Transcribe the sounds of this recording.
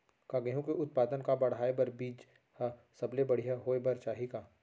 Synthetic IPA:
kaɡɐɦũkeʔʊt̪̚paːd̪ənkabɐɽ̤aːebɐɾbiːd͡ʒ | hasɐblebɐɽ̤ijaɦoːebɐɾt͡ʃaːɦikaː

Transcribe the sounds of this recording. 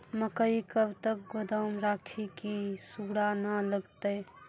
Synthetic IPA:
məkəikəbt̪ək̚ɡod̪awmɾakʰikisuɡɽanələɡt̪əj

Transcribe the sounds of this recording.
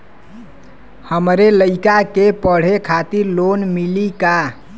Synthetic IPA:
həmɾeləɪkakepəɽ̤ekʰat̪iɾlonmilika

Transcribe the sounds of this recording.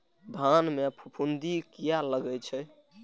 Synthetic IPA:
bʱanmepʰupʰund̪ikijaləɡɛt͡ʃʰɛ

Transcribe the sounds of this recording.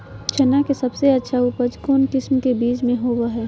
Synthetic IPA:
t͡ʃʰɐnakesɐbseɐtːʃʰauːpəd͡ʒkoːnkɪsmkebiːt͡ʃmẽɦoːwaɦɛː

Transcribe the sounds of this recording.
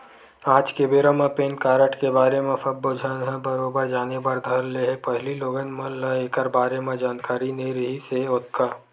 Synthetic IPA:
aːd͡ʒkebeːɾəmãpeːnkaːɾəʈkebaːɾemẽfɐbːod͡ʒʱanɦɛ̃bəɾoːbəɾd͡ʒaːnebɐɾd̪ʱɐɾleɦepɛɦliloːɡənmɐ̃ləeːkəɾbaːɾemẽd͡ʒaːnkaːɾinẽɾɐɦiseʊt̪̚kaː

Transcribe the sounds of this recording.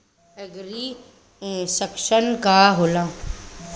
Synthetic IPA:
eɡɾi | səkʃənkaɦoːlaː

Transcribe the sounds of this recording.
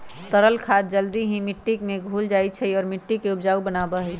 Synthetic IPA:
t̪əɾəlkʰaːt̪̚d͡ʒəld̪iɦĩmɪʈːikmẽɡʱuːld͡ʒaːit͡ʃʰəiɔːɾmɪʈːikeʊbd͡ʒaːubənaːbaɦɛ

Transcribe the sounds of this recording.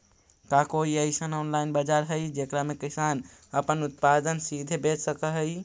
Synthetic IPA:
kakoiəjsənɔnlajnbəd͡ʒaɾɦəjd͡ʒekɾamekisan | əpənut̪̚pad̪ənsid̪ʱebet̪səkəɦəj

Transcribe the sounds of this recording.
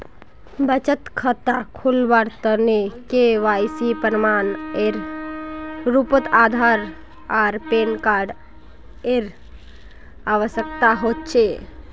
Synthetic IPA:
bət͡ʃət̪kʰət̪akʰulbaɾt̪ənekeʋajsipəɾmaneɾ | ɾupət̪ad̪ʱaɾ | aɾpenkaɾɖ | eɾ | aʋəsjəkt̪aɦot̪̚t͡ʃʰe

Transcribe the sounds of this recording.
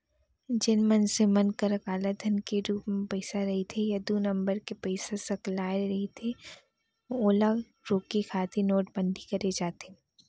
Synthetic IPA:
d͡ʒɪnmɐnsemɐnkəɾɐkaːlət̪̚d̪ʱɐnkeɾuːpmẽpɐɪsaɾɐɦet̪ʰejɐd̪unɐ̃mbəɾkepɐɪsasɐklaːɪɾɐɦet̪ʰe | oːla | ɾoːkikʰaːt̪ʰinoːʈ̚bɐ̃nɖ̪ʱikɐɾed͡ʒaːt̪e

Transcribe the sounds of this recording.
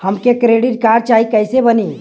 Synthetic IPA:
həmkekɾeːɖɪʈ̚kaːɾt͡ʃaːikəɪsebəniː

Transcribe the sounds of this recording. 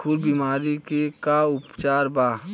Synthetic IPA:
ulbimaːɾikekaʊpt͡ʃaːɾbaː

